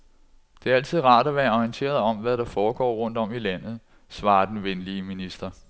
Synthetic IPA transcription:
d̥e̝æɐæl̰t͡sʰiðˠʁɑ̈ːd̥æʋæɐɒnt͡sʰe̝̰ːɐð̞ˠɒ̽mʋæɾ̥ɑ̈fɒːɡ̥ɒ̰ːʁɔ̽n̰d̥ɒ̽milæn̰ð̞̩ˠ | sʋɑ̈ːd̥enʋenliəminisd̥ɐ

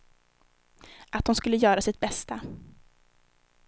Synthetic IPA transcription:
ʔat̪hʊnskɵlːəjœːɾasɪt̪̚bɛst̪a

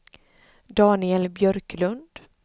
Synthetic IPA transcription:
d̪ɑːnɪɛlbjœɾklɵnd̪̥

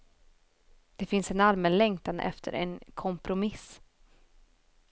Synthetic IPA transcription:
d̪̥ɛfɪnsɛnalmɛnlɛŋt̪and̪ə̰ʔɛ̰ft̪ʰə̰ɾɛ̰nkʰɔmpɾʊmɪs

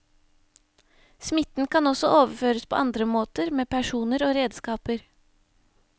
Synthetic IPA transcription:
smɪt̪n̩kʰɑnɔsɔʔoːʋəføːɾəspʰo̰ːʔɑnd̪ɾəmoːt̪əɾmeːpʰæʂuːnəɾoːɾeːd̪skɑːpəɾ

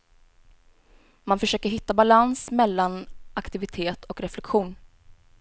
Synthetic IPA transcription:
manfœʂøːkəɾɦɪt̪ːabalansmɛlːanʔakt̪ɪvɪt̪ʰeːt̪ʰɔkɾɛflɛkɧuːn

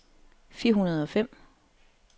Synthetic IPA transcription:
fiɐɦunɐð̞ˠɒ̽fem̰

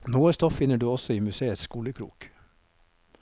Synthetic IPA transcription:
noːəst̪ɔffɪnəɖʉːɔsɔiːmʉseːət̪skuːləkʰɾṵːk

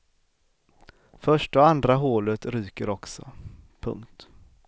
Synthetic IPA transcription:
fœʂʈɔand̪ɾaɦoːlət̪ɾyːkəɾɔksɔ̰pʰɵ̰ŋkt̪

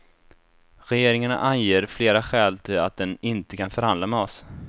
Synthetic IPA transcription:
ɾɛjeːɾɪŋaɳa̰ʔanjeːɾfleːɾaɧɛːlt̪ʰɪla̰t̪̚d̪ɛnɪnt̪əkanfœɾhand̪lamɛɔs

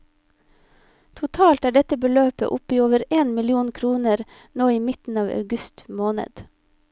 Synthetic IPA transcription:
t̪ʰʊt̪ʰɑːlt̪æːɖɛt̪əbəløːpə̰ʔʊpiːoːʋəɾeːnmɪlɪuːnkʰɾuːnəɾ | noːiːmɪt̪n̩ɑːʋɑ̰ʉɡʉst̪moːnə̰d̪̥

